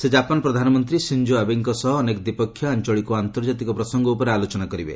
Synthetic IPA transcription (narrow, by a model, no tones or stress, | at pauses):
sed͡ʒapanpɾɔd̪ʱanɔmɔnt̪ɾisind͡ʒoabiŋkɔsɔɦɔːnekɔd̪ipɔkʰːjɔant͡ʃɔɭikuant̪ɔɾd͡ʒat̪ikɔpɾɔsɔŋɡɔupɔɾealot͡ʃɔnakɔɾibḛ